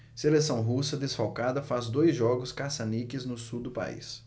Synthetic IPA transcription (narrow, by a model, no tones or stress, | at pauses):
selesɐ̃w̃ɦusɐd̪esfawkad̪ɐfazd̪ojzʒɔɡʊskasɐnikɪznʊsuwd̪ʊpa̰ḭs